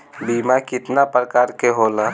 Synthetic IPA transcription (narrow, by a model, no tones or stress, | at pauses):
bimakɪt̪napɾəkaɾkeɦola